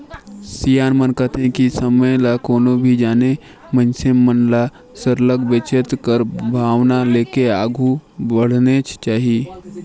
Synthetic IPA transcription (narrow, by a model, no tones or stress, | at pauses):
sijaːnmənkət̪ʰẽkisəməjlakoːnobʱid͡ʒaːne | mə̃nsemənla | səɾləɡbet͡ʃət̪kəɾbʱaːʋnaleːkeaːɡʱubəɽ̤net͡ʃt͡ʃaːɦi